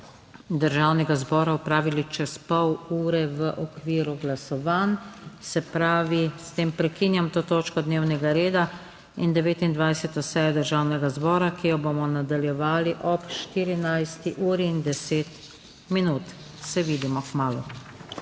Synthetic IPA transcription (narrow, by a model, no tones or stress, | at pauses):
d̪əɾʒaːwnɛɡazbɔːɾaɔpɾaːʋilit͡ʃɛspɔwuːɾɛʋəʔɔkʋiːɾuɡlasɔʋansɛpɾaːʋist̪eːmpɾɛkiːnjamt̪oːt̪oːt͡ʃkɔd̪neːwnɛɡaɾeːd̪a | ind̪ɛʋeːt̪ind̪ʋajsɛt̪ɔsɛjɔd̪əɾʒawnɛɡazbɔːɾakijɔbomɔnad̪aljɛʋaːliʔɔpʃt̪iːɾinajst̪iʔuːɾiːnd̪ɛseːt̪ | minuːt̪ | sɛʋiːd̪imɔkmaːlu